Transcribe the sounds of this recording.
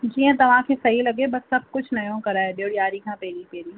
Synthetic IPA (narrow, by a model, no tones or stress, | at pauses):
d͡ʒiːə̃t̪ɐʋ̤ãkʰeːsɐɦilɐɡebɐsːɐb̚ʱkʊd͡ʒʰʱnɐjõkɐɾaːeɗoːɽijaːɾikʰãːpeːɾipeːɾiː